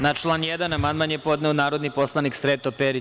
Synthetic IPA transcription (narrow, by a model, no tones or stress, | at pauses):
nat͡ʃlˠaːnjed̪anamand̪manjepo̞d̪nɛonaːɾo̞d̪nipo̞slˠaniksɾeːt̪opeɾi